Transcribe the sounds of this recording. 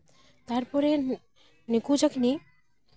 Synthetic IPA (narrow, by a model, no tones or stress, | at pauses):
t̪aɾpɔɾe | nikud͡ʒʌkʰni